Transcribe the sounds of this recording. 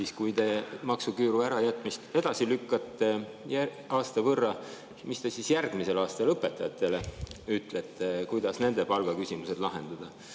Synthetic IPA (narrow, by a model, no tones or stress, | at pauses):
siːskujt̪e̞mɑksukyːɾuæɾɑjæt̪ːˑmist̪e̞d̪̥ɑsilykːˑɑt̪ːe̞ | jæ | ɑːst̪ɑvɤrːɑ | mist̪e̞sisjærɡ̥mise̞lɑːst̪ɑlɤpːˑe̞t̪ːˑɑjɑt̪ːˑe̞leyt̪ːˑlet̪ːe̞kujd̪̥ɑsne̞nd̪e̞pɑlɡ̥ɑkysimuse̞d̥̪lɑɦe̞̰nd̪̥ɑd̪̥ɑ